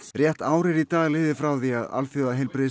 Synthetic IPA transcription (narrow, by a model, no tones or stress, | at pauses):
rjɛht̪aːwɾɪɾit̪aːɣlɪːðɪfɾawθiaða̰lfjoðaɦejlpɾɪð